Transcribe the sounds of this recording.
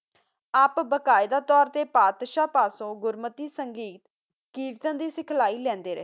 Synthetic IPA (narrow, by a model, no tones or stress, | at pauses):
aːpbəkaːɪd̪aːt̪ɔːɾt̪eːpaːt̪ʃaːpaːsõːɡʊɾmət̪iːsəŋɡiːt̪ | kiːɾt̪ə̃ːd̪iːsɪkʰlaːiːlɛ̃ːnd̪eːɾḛː